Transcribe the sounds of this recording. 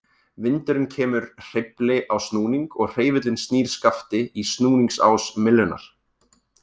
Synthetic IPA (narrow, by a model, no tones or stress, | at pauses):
vɪnt̪ʏɾʏmcʰɛːmʏɾr̥ɪplɪʔawsnuːniŋkɔɣr̥eːjvɪt̪lɪnst̪niːɾ̥skaft̪ɪist̪nuːniŋksa̰wsmɪlːʏna̰ɾ̥